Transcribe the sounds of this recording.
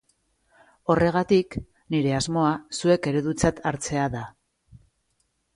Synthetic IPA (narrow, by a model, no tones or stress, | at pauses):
o̞re̞ɣ̞at̪ik | niɾe̞azmo̞asue̞ke̞ɾe̞ðut͡sat̪ʰaɾt͡se̞aða